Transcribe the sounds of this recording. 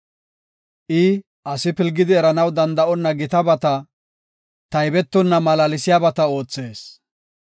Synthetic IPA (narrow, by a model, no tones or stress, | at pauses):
ʔɪ | ʔɐsɪpɪlɡɪd̪ɪɛɾɐnɐwd̪ɐnd̪ɐʔɔnːɐɡɪt̪ɐbɐt̪ɐ | t̪ɐjbɛt̪ːɔnːɐmɐlɐlɪsɪjabɐt̪ɐo̞ːt͡sːe̞ːs